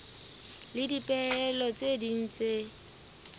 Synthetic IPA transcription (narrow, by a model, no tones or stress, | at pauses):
lɪdipʼɛɛlɔt͡sʼedin̩t͡se